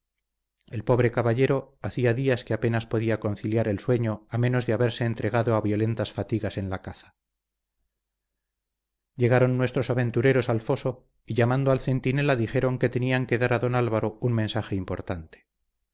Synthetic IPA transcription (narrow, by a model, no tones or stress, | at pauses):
e̞lpo̞βɾe̞kaβaʎe̞ɾo̞aθiaðiaskeape̞naspo̞ðiako̞nθiljaɾe̞lswe̞ɲo̞amẽ̞no̞zðeaβe̞ɾse̞ːnt̪ɾe̞ɣ̞aðo̞aβjo̞le̞nt̪asfat̪iɣase̞nlakaθḁ | je̞ɣ̞aɾo̞nːwe̞st̪ɾo̞saβe̞nt̪uɾe̞ɾo̞salfo̞so̞ | iʝamãnd̪oalθe̞nt̪ine̞laðixe̞ɾo̞ŋke̞t̪e̞niaŋke̞ðaɾaðo̞nalβaɾo̞unmensaxe̞impo̞ɾt̪ant̪e̥